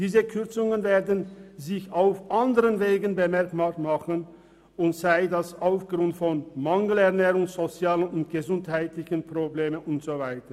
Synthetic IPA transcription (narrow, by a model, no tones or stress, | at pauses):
d̥iːzəkʰʏɐt͡sʊŋənveːɐdn̩zɪçaʊfʔandəʁənveːɡənbəmɛɐkmamaχən | ʔʊntz̥aɪdasaʊfɡ̥ʁʊntfɔnmaŋəl̩ɛɐnɛːʁʊŋz̥ot͡sjaːlənʊntɡ̥əzʊnthaɪtlɪçənpʁ̥obleːmənʊntz̥ovaɪtə